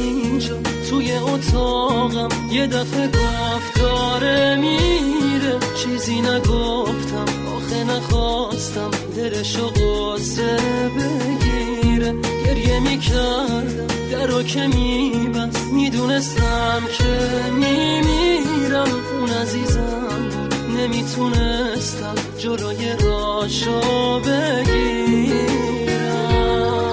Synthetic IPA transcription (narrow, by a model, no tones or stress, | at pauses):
ind͡ʒɔsʰujeot̪ʰɔɣæmje̞d̪æfe̞ɡo | fd̪ɔɾemiɾet͡ʃʰizinæɡoft̪ʰæm | ɔːxenæχɔst̪æmd̪eɾeʃoɣo | zebeɡi | ɾeɟ̥eɾjemikʰæɾd̪æmd̪æɾocʰemibæsmid̪uːne̞st̪æmkʰemimiɾæm | unæziːzæ | m | ne̞mit̪ʰune̞ | st̪æm | d͡ʒoloːje̞ɾɔʃobe̞ɡi | ɾæ